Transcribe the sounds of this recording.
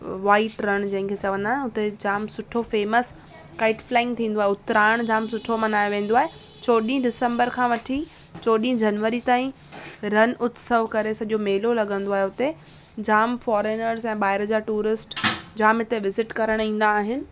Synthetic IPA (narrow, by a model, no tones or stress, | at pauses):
ʋaːɪʈɾɐɽ̃d͡ʑɐ̃ɦɪ̃ŋkʰeːt͡ɕɐʋə̃nd̪aːɦɪnʊt̪ed͡ʑaːmsʊʈʰofeːməs | kaːɪʈflaːɪ̃ŋɡ̚t̪ʰĩːn̆d̪oaːɦeʊt̪ɾaːɽ̃d͡ʑaːmsʊʈʰomɐnaːjoʋẽːn̆d̪oaːɦe | t͡ɕoːɗĩɖɪsə̃mbəɾkʰãːʋɐʈʰi | t͡ɕoːɗĩɦd͡ʑɐnʋəɾit̪aːĩ | ɾɐnʔʊt̪səʋkɐɾesɐʄomeːlolɐɠə̃nd̪oaːɦeʊt̪e | d͡ʑaːmfɔːɾeːnəɾzɛ̃ːɓaːɪɾd͡ʑaːʈuːɾɪsʈd͡ʑaːmɪt̪eʋɪzɪʈkɐɾəɽ̃ĩːn̆d̪aːɦɪnɪ̆